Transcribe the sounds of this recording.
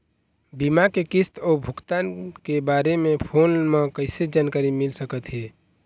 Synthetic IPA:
bimakekist̪ɔːbʱʊkt̪ankebaːɾemẽpʰonmẽkəɪsed͡ʒankaɾimɪlsəkət̪ɦɛ

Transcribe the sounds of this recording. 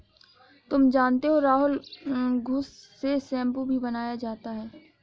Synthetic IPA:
t̪ʊmd͡ʒaːnt̪eɦoɾaːɦʊlɡʱʊsː | esɛ̃ːmpubʱibɐnaːjad͡ʒaːt̪aɦɛː

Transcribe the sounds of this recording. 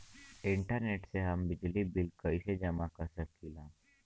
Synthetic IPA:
ɪɳʈəɾneʈseɦəmbɪd͡ʒlibilkəised͡ʒəmakəsət̪kilã

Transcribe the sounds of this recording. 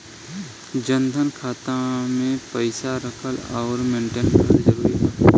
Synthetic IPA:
d͡ʒə̃nd̪ʱənkʰaːt̪ãmẽpəɪsaɾəkʰəlɔːɾmẽːɳʈeːnkəɾid͡ʒəɾuːɾiɦɛː

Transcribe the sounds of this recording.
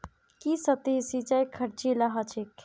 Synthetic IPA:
kisət̪isit͡ʃajkʰəɾt͡ʃilaɦət͡ʃʰek

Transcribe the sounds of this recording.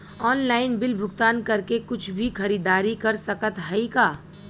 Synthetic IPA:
ɔːnlaːɪnbɪlbʱʊɡt̪aːnkɐɾkekʊt͡ʃʰbʱixʰɐɾiːd̪aːɾikɐɾsɐkət̪ɦɐikaː

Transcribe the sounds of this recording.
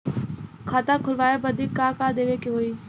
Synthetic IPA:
kʰaːt̪ãːkʰʊlʋaːeːbəd̪iːkːaːkaːd̪eːʋeːkeɦoːiː

